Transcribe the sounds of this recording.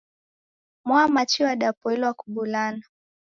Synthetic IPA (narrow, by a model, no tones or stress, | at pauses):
mwamat͡ʃiwaɗapɔɛlwakuɓulana